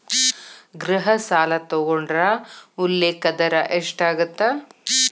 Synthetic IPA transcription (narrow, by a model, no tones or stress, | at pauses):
ɡɾɐɦɐsaːlɐt̪oɡoɳɖɾɐulːeːkɐd̪ɐɾɐʔeʂʈaːɡɐt̪ːa